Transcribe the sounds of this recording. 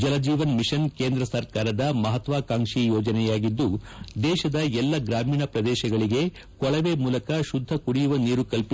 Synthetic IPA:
d͡ʒɐlɐd͡ʒiːʋɐnmiʃɐnkeːnd̪ɾɐsɐɾkaːɾɐd̪ɐmɐɦɐt̪ʋaːkaːŋʂijɔːd͡ʒɐnɛjaːɡid̪ːud̪ɛːʃɐd̪ɐɛlːɐɡɾaːmiːɳɐpɾɐd̪ɛːʃɐɡɐɭiɡe̞ | kɔɭɐʋeːmuːlɐkɐʃud̪ʱːɐkuɽijuʋɐniːɾukɐlpi

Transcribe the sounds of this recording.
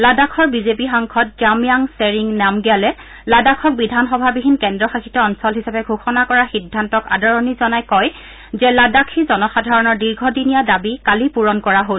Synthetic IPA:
ladakʰɔɹbizepixaŋkʰɔt̚d͡ʒamijaŋseɹiŋnamɡijalɛ | ladakʰɔk̚bidʱanxɔbʱabiɦinkɛndɹɔxakitɔɔnsɔlɦisapɛɡʱoxɔnakɔɹaxidʱːantɔka̰dɔɹɔnizɔnajkɔj | zɛladakʰizɔnɔxadʱaɹɔnɔɹdiɹɡʱɔdinijadabikalipuɹɔnkɔɹaɦol

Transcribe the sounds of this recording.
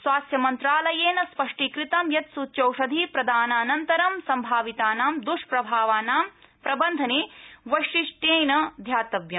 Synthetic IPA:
sʋaːsjɐmɐnt̪ɾaːlɐjeːnɐspɐʂʈikɾit̪ɐmjɐt̪suːt̪ːt͡ʃɐwʂɐd̪ʱipɾɐd̪ʱaːnaːnɐnt̪ɐɾɐmsɐmbʱaːʋit̪aːnaːmd̪uʂpɾɐbʱaːʋaːnaːmpɾɐbɐnd̪ʱɐniːʋɐʃiʂʈjeːjnɐd̪ʱjaːt̪ɐbjɐm

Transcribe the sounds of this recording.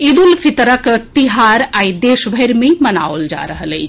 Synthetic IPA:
id̪ulpʰit̪ɾəkt̪iɦaɾaːid̪eʃbʱəjɾmẽməna̰old͡ʒa̰ɾəɦələjt͡ʃʰ

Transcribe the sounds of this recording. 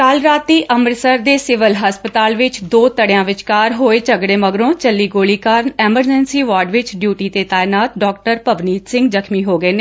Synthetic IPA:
kalɾaːt̪ːiːʔəməɾsəɾd̪eːsɪʋəlɦəspət̪aːlʋɪt͡ʃd̪oːt̪əɽjãːʋɪt͡ʃkaːɾɦoːeːt͡ʃəɡɽeːməɡɾõːt͡ʃəlːiːɡoːliːkaːɾnɛːməɾd͡ʒɛːnsiːʋaːɾɖʋɪt͡ʃɖjuːʈiːt̪eːt̪aːjnaːt̪̚ɖɔːk̚ʈəɾpəʋniːt̪sɪ̃ŋɡzəkʰmiːɦoːɡəeːneː

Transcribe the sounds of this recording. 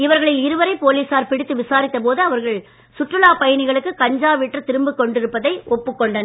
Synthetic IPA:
ɪʋɐɾɣɐɭɪlɪɾɯʋɐɾɐɪpoːliːsaːɾpɪɽɪt̪ːɯʋɪsaːɾɪt̪ːɐp̬oːðɯɐʋɐɾɣɐɭ | sʊʈrɯlaːpɐjɐnɪɣɐɭɯkːɯkɐɲd͡ʒaːʋɪʈːrɐt̪ɪɾɯmbɯkːɔɳɖɪɾɯpːɐðɐɪʔɔpːɯkːɔɳɖɐn

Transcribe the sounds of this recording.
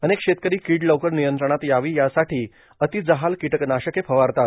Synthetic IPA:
ənekɕet̪̚kəɾiːkiːʈləwkəɾnijənt̪ɾəɳ̃at̪jaʋiːjasaʈʰiː | ət̪id͡zəɦalkiʈəknaɕəkepʰəʋaɾt̪at̪

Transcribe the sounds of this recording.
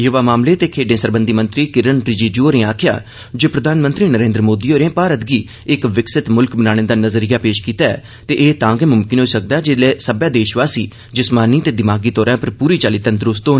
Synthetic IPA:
jʊʋaːmaːmleːt̪eːkʰeːɖẽːsəɾbə̃nd̪iːmə̃nt̪ɾiːkɪɾənpɾɪd͡ʒiːd͡ʒoːɾẽːaːkʰɪja̰ː | d͡ʒoːpɾəd̪ʱaːnmə̃nt̪ɾiːnəɾẽːnd̪ɾəmoːd̪iːoːɾẽːpaːɾət̪ɡiː | ɪkʋɪksɪt̪mʊlkbənaːɽ̃ẽːd̪aːnəzəɾijaːpeːʃkiːt̪aːɛ̰ː | t̪eːʔeːt̪ãːŋɡɛːmʊmkɪnɦoːiːsək̚d̪aːd͡ʒelɛːsəbjaːd̪eːʃʋaːsiː | d͡ʒɪsmaːniːt̪eːd̪ɪmaːɡiːt̪ɔːɾãːpəɾpuːɾiːt͡ʃaːliːt̪ə̃nt̪ɾʊst̪oː

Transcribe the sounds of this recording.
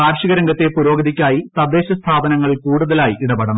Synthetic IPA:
aːɾʂiɣɐɾɐŋɡɐt̪ːepuɾo̞ːɡɐðikʲːaːjit̪ɐd̪e̞ːɕɐst̪ʰaːb̪ʱɐnɐŋːɐɭkuːɽuðɐlaːjiʔiɽɐbɐɽɐn

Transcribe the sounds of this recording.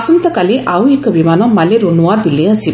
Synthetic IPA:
sunt̪ɐkaliʔawekbimanɔmaleɾonuwad̪ileəsi

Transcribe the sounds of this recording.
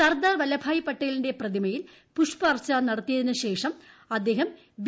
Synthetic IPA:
sɐrd̪aːrʋɐlɐbʱaːjipːɐʈːɐjlindeprɐðimɐjil | puʂpɐrt͡ɕːaːnnɐɽɐt̪ːijɐðinɨɕe̞ːʂɐm | ɐd̪ːe̞ːɦɐm | b

